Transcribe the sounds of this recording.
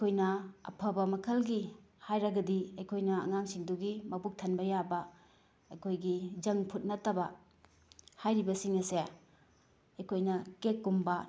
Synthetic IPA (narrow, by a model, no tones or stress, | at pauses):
ɐjkʰojnɐɐ̰pʰɐbɐmɐkʰɐlɡi | hajɾɐɡɐdiɐjkʰojnɐɐ̰ŋaŋsiŋduɡimɐbuk̚tʰɐnbɐjabɐ | ɐjkʰojɡid͡ʒɐŋpʰut̚nɐtɐbɐ | hajɾibɐsiŋɐse | ɐjkʰojnɐkekːumbɐ